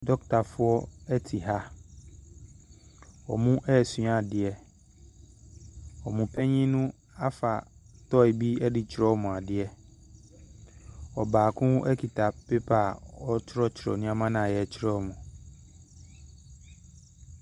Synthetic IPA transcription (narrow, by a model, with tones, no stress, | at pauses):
dɔ˦k̚tʰa˨fʊ˦ɔ˦ɛ˦tʰi˨ɦa˦ | ɔ̰˨mũ˦ʔɛ˦˨sɥ̃a˨dɪ˨ɛ˨ | ɔ˨mũ˨pʰɛ˦ɲĩ˦nʊ̃˦ | a˦fa˨tɔ˦ɪ˨bi˦ɛ˦dɪ˨t͡ɕʰɪ˨ɾɔ˦mũ˨a˨dɪ˨ɛ˨ | ɔ˨baː˨kʰʊ̃˦ʔɛ˦kʰi˨tʰa˨pe˦pʰa˨ɔ˦tʰɾɔ˦t͡ɕʰɪ˨ɾɔ̰˨nʊ̃˦a˦mã˦nã˨jɛ˨t͡ɕʰɪ˦ɾɛ˦˨mũ˨